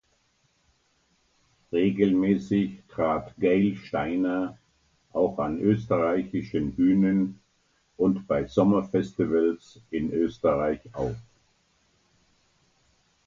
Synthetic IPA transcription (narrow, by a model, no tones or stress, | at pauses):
ʁeːɡl̩mɛːsɪçtʁ̥aːtɡ̥eɪlʃtaɪnɐ | ʔaʊxanʔøːstəʁaɪçɪʃənbyːnən | ʔʊntb̥aɪzɔmɐfɛstivəlsɪnʔøːstəʁaɪçaʊf